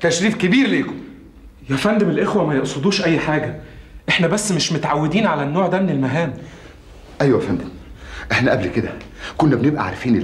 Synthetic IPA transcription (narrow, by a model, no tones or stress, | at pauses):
t̪æʃɾiːbkebiːɾleːkom | jæfænd̪emelʔexwæmæjeʔsˤod̪uːʃʔæjːħaːɡæʔeħnæbæsːmeʃmot̪ʕawːed̪iːnʕalænːoːʕd̪æːmenelmæɦæːm | ʔæjːwæfænd̪emʔeħnæʔæblked̪ækonːæbenebʔæ̰ʕa̰ɾfiːne